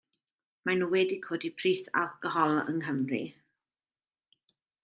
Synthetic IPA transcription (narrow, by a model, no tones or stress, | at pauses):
manuwɛdɪkʰoːdipʰriːθa̰lˠkɔɦɔlˠə̰ŋɦəmrḭ